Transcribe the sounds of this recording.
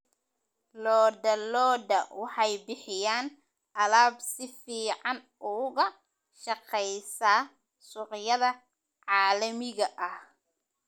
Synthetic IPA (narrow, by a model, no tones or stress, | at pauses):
lɔːd̪ɐlɔːd̪ɐwɑħɑjbɪħɪjaːn | ʔɐlaːbsɪfiːʕɑn | ʊːɣɐ | ʃɑqɛjsaː | sʊqjɐðɐ | ʕɑːlɐmɪɣɐʔɐh